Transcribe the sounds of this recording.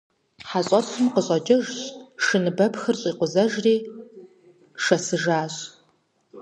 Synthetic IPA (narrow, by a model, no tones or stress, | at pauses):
ħaɕʼɐɕɨmqəɕʼɐd͡ʒɐʒɕʂɨnɨbɐpxɨrɕʼiːqʷʊzɐʒriː | ʂɐsɨʒaːɕʼ